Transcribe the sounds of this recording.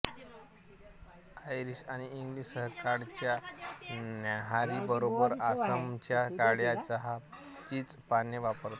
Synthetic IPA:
ajɾiɕaɽ̃iːŋɡliːɕsəɦkaɽt͡ɕja | naɦaɾibəɾobəɾasəmt͡ɕjakaɽjat͡saɦa | t͡ɕiːt͡spaneʋapəɾt̪

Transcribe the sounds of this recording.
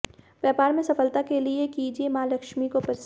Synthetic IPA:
ʋjaːpaːɾmẽsɐfəlt̪akeliekiːd͡ʒiemaːlɐkʃmikopɐɾs

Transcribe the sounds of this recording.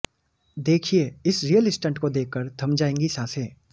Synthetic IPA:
d̪eːkʰieɪsɾijəlɪsʈə̃ɳʈkod̪eːkʰːəɾd̪ʱɐmd͡ʒaːẽːŋɡisãːseː

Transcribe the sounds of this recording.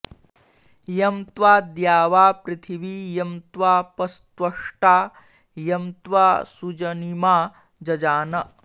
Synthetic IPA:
jɐmt̪ʋaːd̪jaːʋaːpɾit̪ʰiʋijɐmt̪ʋaːpɐst̪ʋɐʂʈaː | jɐmt̪ʋaːsud͡ʒɐnimaː | d͡ʒɐd͡ʒaːnɐ

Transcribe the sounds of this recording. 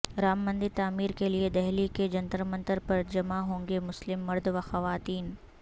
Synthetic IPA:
ɾaːmːə̃nd̪it̪aːmiːɾkelied̪ɛɦliked͡ʒɐnt̪əɾmɐ̃nt̪əɾpɐɾd͡ʒɐmaɦõːŋɡemʊslɪmːɐɾd̪ʋaxɐʋaːt̪iːn

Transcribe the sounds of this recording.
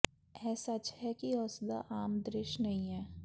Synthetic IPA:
ɛːsat͡ʃɦɛkiɔːsd̪a̰ʔaːmd̪ɾɪʃnɐɦĩɦɛː

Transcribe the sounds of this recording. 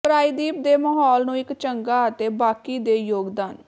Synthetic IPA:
pɾaːiːd̪iːp̚d̪eːməɦɔːlnũːɪkt͡ʃəŋɡaːət̪eːbaːkiːd̪eːjoːɡd̪aːn

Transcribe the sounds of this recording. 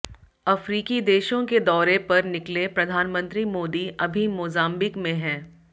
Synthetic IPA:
ɐfɾiːkid̪eːʃõked̪ɔːɾepɐɾnɪklepɾɐd̪ʱaːnmə̃nt̪ɾimoːd̪iʔɐbʱimʊzaːmbɪkmẽɦɛ̃ː

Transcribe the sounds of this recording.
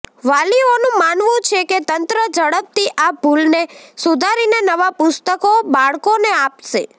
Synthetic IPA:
ʋalionũmanʋũt͡ʃʰeket̪ənt̪ɾəd͡ʒəɽəp̚t̪iʔabʱulnesud̪ʱaɾinenəʋapʊst̪əkobaɭkoneapʃe

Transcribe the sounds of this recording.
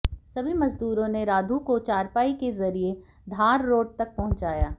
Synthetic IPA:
sɐbʱimɐzd̪uːɾõneɾaːd̪ʱukot͡ʃaːɾpaːikezɐɾie | d̪ʱaːɾːoːʈ̚t̪ɐk̚pɐɦʊ̃ɲt͡ʃaːjaː

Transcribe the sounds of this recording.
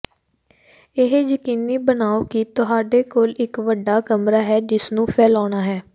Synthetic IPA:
ɪɦjəkiːniːbənaːoːkit̪ʊɦaːɖeːkoːlɪkʋəɖaːkəmɾaːɦɛːd͡ʒɪsnũːpʰɛːlaːɳ̃aːɦɛː

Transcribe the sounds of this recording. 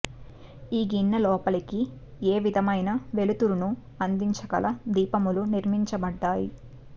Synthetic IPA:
iːɡiɳːɐlɔːpɐliki | eːʋid̪ʱɐmɐjnɐʋe̞lut̪uɾunu | ɐnd̪iɲt͡ʃɐkɐ̰lɐd̪iːpɐmuluniɾmiɲt͡ʃɐbɐɖːaːjḭ

